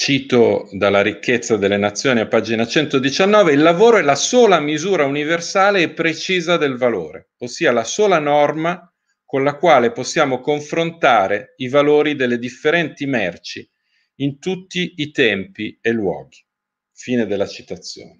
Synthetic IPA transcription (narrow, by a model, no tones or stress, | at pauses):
t͡ʃiːt̪od̪alːaɾikʰːet̪sːad̪elːenat̪sːjoːniapːaːd͡ʒinat͡ʃɛnt̪od̪it͡ʃanːɔːveilːavoːɾoɛlasoːlamizuːɾauniversaːleːpːɾet͡ʃiːzad̪elvalo̰ːɾḛ | osːiːalasoːlanɔrma | konlakwaːleposːjaːmokoɱfɾont̪aːɾeivaloːɾid̪elːed̪ifːeɾɛnt̪imɛrt͡ʃi | int̪ut̪ːiːt̪ɛmpielːwɔ̰ːɡi | fiːned̪elːat͡ʃi̥t̪at̪sːjo̰ːne